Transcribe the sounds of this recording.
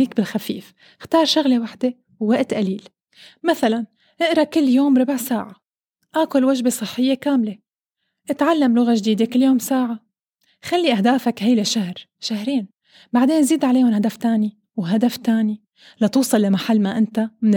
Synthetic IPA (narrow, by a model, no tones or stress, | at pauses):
iːkbɪlxafḭːf | xt̪ɑːɾˤʃʊɣlewaħd̪e | wːaʔt̪ʔaliːl | maθalan | ʔɪʔɾɑkɪlːjoːmɾˤɑbʕsaːʕa | ʔakʊlwaʒbesˤɨħːɪjːekaːmle | ʔɪt̪ʕalːamlʊɣaʒd̪iːd̪ekɪlːjoːmsaːʕa | xalːiʔahd̪aːfakhajlaʃahɾʃahɾeːn | baʕd̪eːnziːd̪ʕaleːhʊnhad̪aft̪aːni | wɦad̪aft̪aːni | lɑt̪uːsˤɑlːamaħalːmaʔɪnt̪amɪn